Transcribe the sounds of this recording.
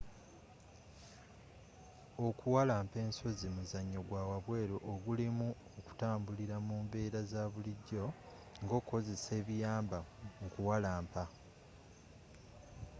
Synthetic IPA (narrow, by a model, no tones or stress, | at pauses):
o̞kʰuwalaːmpe̞ːnso̞zimuzaɲːo̞ɡwawaβwe̞ːɾoʔoɡulimu | oku̥taːmbuliɾamuːmbe̞ːɾazaβuliɟːo̞ | ŋɡo̞ːko̞ze̞se̞ːβijaːmbakuwalaːmpa